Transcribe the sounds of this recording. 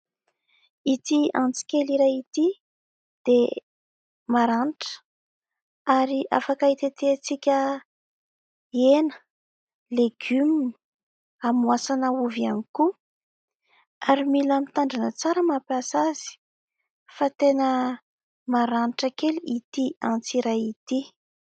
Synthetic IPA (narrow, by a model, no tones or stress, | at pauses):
it̪iant͡si̥kʲeliɾajit̪i | d̪̥e | maɾaniʈ͡ʂə̥ | aɾiʔa̰fakəit̪et̪eat͡sikʲə | enə̥ | leɡ̥ymn | amuasanəuvianiku | aɾimilamit̪aɳɖ͡ʐanət͡saɾəmapasazi̥ | fat̪enə | maɾanʈ͡ʂəkeliit̪iant͡siɾajit̪i